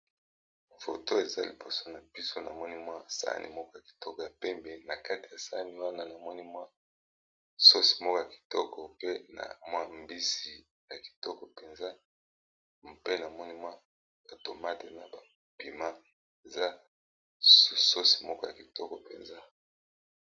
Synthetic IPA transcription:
fo̰˨to˦e˨za̰˦li˨bo˨so˦na˨pi˦so˦na̰˨mɔ˦ni˦mwa˦sa̰˦nʔḭ˨mɔ˦kɔ˦ja˨ki̥˨tɔ˦kɔ˨ja˨pɛ˦mbe˨na˨ka˦ti̥˨ja˨sa̰˦ni˦wa˦na˦na˨mɔ˦ni˦mwa˦ | so˦si̥˨mɔ˦kɔ˦ja˨ki̥˨tɔ˦kɔ˨pe˦na̰˨mwa˦mbi˦si˨ | ja˨ki̥˨tɔ˦kɔ˨pe˨nza˦ | pe˦na˨mɔ˦ni˦mwa˦ | o˨to˨ma˦te˨na˦ba˨pi˨ma˦ | e˨za˦ | su˨so˦si̥˨mɔ˦kɔ˦ja˨ki˨tɔ˦kɔ˨pḛ˨nza˦

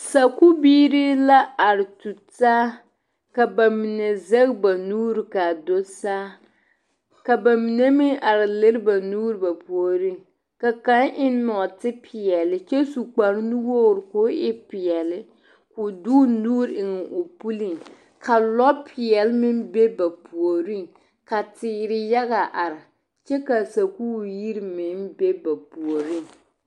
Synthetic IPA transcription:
sa˨ku˦biː˦ɾi˦la˦a˨ɾɪ˨tu˨taː˦ | ka˨ba˨mi˨nɛ˨zɛ˦ɣba˨nuː˦ɾɨ˨ka˨do˦saː˦ | ka˨ba˨mi˨nɛ˦mi˦ʔa˨ɾɪ˨lɪ˦ɾba˨nuː˦ɾɨ˦ba˨po˨ɾɪ˦ŋ | ka˨ka˦ʔɪ˦n˦nɔ˨tɪ˦pʰɪ˨ɛ˨lɪ˦t͡ʃɛ˦su˨k͡pa˨ɾnu˦wo˦˨ɾkʊ˦ɪ˦pɪ˨ɛ˨lɪ˦ | kʊ˨duː˦nuː˦ɾɪ˨ŋɛ˨ʔo˨pu˦li˨ŋ | kʰa˨lɔ˦pʰɪ˨ɛ˨lmɪ˦nbe˦ba˨pʰu˨o˨ɾi˦ŋ | ka˨tɪː˨ɾɪ˨ja˦ɣa˨ʔa˨ɾɪ˨ | t͡ʃɛ˦ka˨sa˨kuː˦˨ji˦ɾmɪ˨˦nbe˦ba˨pu˨o˨ɾi˦˨ŋ

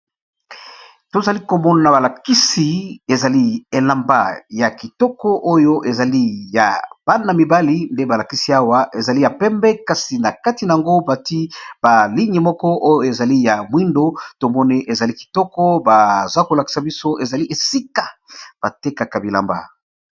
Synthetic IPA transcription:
to˨za˨li˦ko˨mɔ˦na˨na˨ba˨la˨ki˦si˨e˨za˨li˦e˨la˨mba̰˦˨ja˨ki˨tɔ˦kɔ˦ʔo˦jo˦ʔe˨za˨li˦ja̰˨b̥a˦na˨mi˨ba˦li˦nde˦ba˨la˨ki˦si˨˦a˦wa˦ʔe˨za˨li˦ja˨pɛ˦mbɛ˦ka˦si˨na˨ka˦ti˨na˨ja˨ŋɡo˦ba˨ti˦ba˨li˦ŋɡi˨mɔ˦kɔ˦ʔo˦jo˦e˨za˨li˦ja˨mwi˦ndo˦to˨mɔ˦ni˦ʔe˨za˨li˦ki̥˨tɔ˦kɔ˦ba˨za˦ko˨la˨ki̥˦sa˨bi˦so˦ʔe˨za˨li˦ʔe˨si˦ka˨b̥a˨te˦ka˨ka˨bi˨la̰˨mba̰˨

